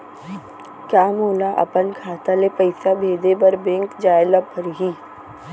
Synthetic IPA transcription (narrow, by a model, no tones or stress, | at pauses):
kjaːmoːlaʔɐ̰pənkʰaːt̪alepɐɪsabʱeːd̪ebɐɾbẽːŋkd͡ʒaːɪlapəɾɦiː